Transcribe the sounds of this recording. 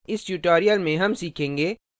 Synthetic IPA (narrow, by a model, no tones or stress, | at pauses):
ɪst͡ʃuːʈoːɾijəlmẽɦɐmsiːkʰẽːŋɡeː